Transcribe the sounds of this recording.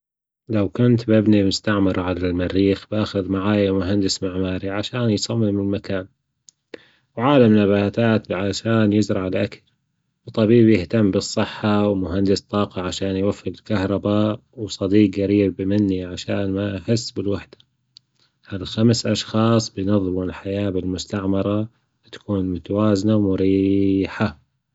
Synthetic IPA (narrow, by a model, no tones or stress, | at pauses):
lawkʊnt̪bɪbnimʊst̪aʕmɪɾˤʕalalmaɾːiːxbaːxʊðmaʕaːjamʊɦand̪ɪsmaʕmaːɾiʕaʃaːnjsˤɑmːɪmɪlmakaːn | wʕaːlamnabaːt̪aːt̪ʕaʃaːnjɪzɾˤɑʕɪlʔakal | wɨt̪ˤːɑbiːbjɪht̪amːbɨsˤːɨħːawmʊɦand̪ɪst̪ˤːɑːqɑʕaʃaːnjwafːɪɾɪlkahɾˤɑbaːʔwsˤɑd̪iːqɣaɾiːbmɪnːiʕaʃaːnmaʔaħɪsːbɪlwaħd̪ḁ | halxamsʔɑʃxɑːsˤbɪjnɑðˤːmlħajaːbɪlmʊst̪aʕmɑɾˤɑ | t̪ḁkuːnmʊt̪awaːznawmʊɾiːħa